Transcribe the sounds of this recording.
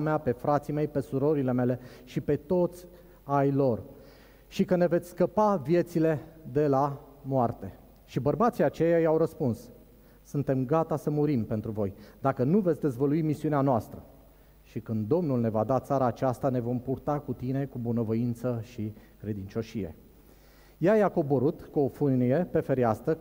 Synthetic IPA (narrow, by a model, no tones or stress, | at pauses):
meape̞fɾat̪sime̞jpe̞suɾo̞ɾile̞me̞le̞ʃipe̞t̪o̞t̪sʲ | ajlo̞r | ʃikəne̞ve̞t̪sʲskəpavije̞t̪sile̞d̪e̞la | moart̪e̞ | ʃibərbat̪sijat͡ʃe̞jajawɾəspuns | sɨnt̪e̞mɡat̪asəmuɾimpe̞nt̪ɾuvo̞jd̪akənuvet̪sʲd̪e̞zvəluimisiuneanoast̪ɾə | ʃikɨnd̪d̪o̞mnulne̞vad̪at̪saɾaːt͡ʃast̪ane̞vo̞mpurt̪akut̪ine̞kubunəvoint̪səʃikɾe̞d̪int͡ʃo̞ʃije̞̰ | jajeako̞boɾut̪kuo̞fɨnije̞pe̞fe̞ɾiast̪ə